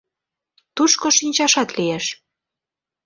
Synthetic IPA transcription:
t̪uʃkoʃinʲt͡ɕɑʃɑt̪lijeʃ

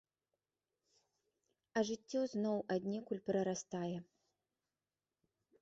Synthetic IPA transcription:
ɐʐɨt͡sʲːɔznɔwad̪ʲnʲɛkulʲpɾɐɾast̪ajɛ

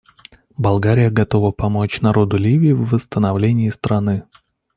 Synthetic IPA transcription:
bɐlˠɡaɾʲɪjəɡɐt̪o̞vəpɐmo̞t͡ɕnɐɾo̞d̪ʊlʲivʲɪɪvːəst̪ənɐvlʲenʲɪːst̪ɾɐnɨ

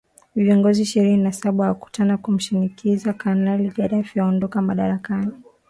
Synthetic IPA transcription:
viɔŋɡɔziʃiɾininasaɓaaku̥tanakum̩ʃinikizakanaliʄaɗafjaɔndɔkamaɗaɾakani

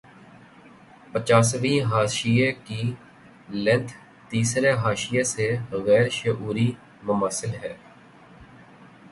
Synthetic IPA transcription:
pət͡ʃaːsʋĩːɦaːʃiekiː | lɛ̃nt̪ʰ | t̪iːsɾeɦaːʃɪjeseɣɛːɾʃəʔuːɾiː | mʊmasɪlɦɛː

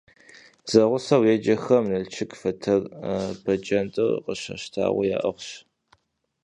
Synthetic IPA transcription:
z̥ɐʁʷʊsɐwjed͡ʒɐxɐmnɨlt͡ʃʰɪkfɐtʰɐrbɐd͡ʒɐntʼɨrqəɕɐ̰ɕtʰa̰ːʁʷḭja̰ːʔɐʁʷɕ

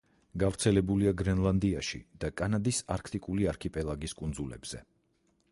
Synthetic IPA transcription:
ɡavɾt̪sʰɛlɛbuliaɡɾɛnlˠand̪iaʃḭd̪̥akʼanad̪isaɾkʰt̪ʼikʼuliaɾkʰipʼɛlˠaɡiskʼund̪zulɛ̰bz̥ɛ̰

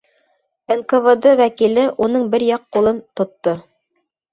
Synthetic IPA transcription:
enkovəd̪ɤwækilɘʔunɤɴbɘɾjɑqːulˠɤnt̪ŏt̪ːo

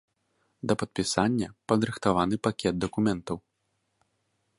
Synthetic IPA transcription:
d̪ɐpɐt̪̚pʲisanʲːɐpɐd̪ɾɨxt̪avanɨpakʲɛd̪̚d̪ɐkumʲɛnt̪ɐw

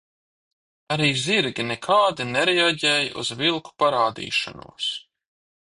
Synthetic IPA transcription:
aɾiːziɾɡʲinɛkʰaːd̪inɛɾɛaɟɛːjʔṵzvilˠku̥paɾaːd̪ḭːʃa̰nṵːs

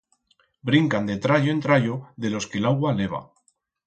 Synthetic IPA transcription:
bɾiŋkand̪e̞t̪ɾaʎoent̪ɾaʎoðe̞lo̞ske̞laɣwale̞β̞a̰

